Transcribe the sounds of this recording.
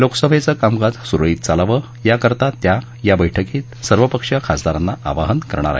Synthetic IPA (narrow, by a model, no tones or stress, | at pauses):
loksəbʱet͡səkamɡad͡z̪suɾɭiːt̪̚t͡salaʋə | jakəɾt̪at̪ja | jabəjʈʰəkiːt̪səɾʋəpəkʂjakʰasd̪aɾanːaʔa̰ʋaɦənkəɾɳ̃aɾa̰ɦi